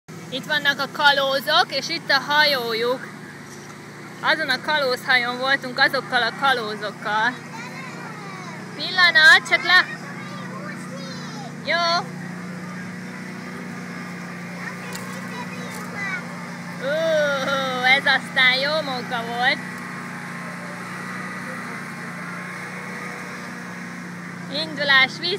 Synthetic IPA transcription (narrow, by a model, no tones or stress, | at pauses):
it̪ʋɒnːɒkɒkɒloːzokeːʃit̪ːɒɦɒjoːjuk | ɒzo̞nɒkɒloːshɒjoːɱvo̞lt̪uŋkɒzo̞kːɒlɒkɒloːzokːɒl | pilːɒnɒt̪̚t͡ʃɒklɛ | joː | oː | ɛzɒst̪aːnjoːmoŋkɒvolt̪ | ind̪ulaːʃʋi